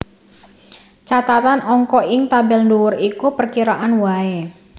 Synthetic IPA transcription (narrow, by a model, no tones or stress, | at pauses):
t͡ʃat̪at̪anɔŋkɔɪŋt̪abɛlnduwʊrikupərkiɾaʔanwae